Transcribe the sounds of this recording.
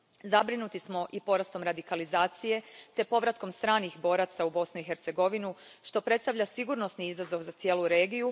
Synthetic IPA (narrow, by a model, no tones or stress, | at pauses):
zabɾinut̪ismo̞ʔipo̞ɾast̪o̞mɾad̪ikalizaːt̪sije̞t̪e̞po̞ʋɾat̪ko̞mst̪ɾaːnixbo̞ːɾat̪saubo̞snuixe̞ɾt̪se̞ɡo̞ʋinuʃt̪o̞pɾe̞t̪st̪aʋʎʲasiɡuɾno̞sniizazo̞ʋzat̪sjeːlˠuɾe̞ːɡiju